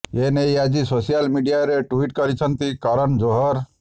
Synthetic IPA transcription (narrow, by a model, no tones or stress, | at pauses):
jenejad͡ʒisosijalmiɖijaɾeʈuiʈkʌɾit͡ʃʰʌnt̪ikɔɾəɳd͡ʒoɦɔɾ